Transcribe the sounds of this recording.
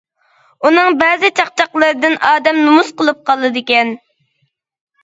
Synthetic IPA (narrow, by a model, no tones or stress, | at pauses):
unɨŋbɛːzɪt͡ʃʰɑq̚t͡ʃʰɑqlˠɨɾɨd̪ɨnʔɑːd̪ɛmnumusqəlˠɨp̚qʰɑlˠːɨd̪ɪkʲɛn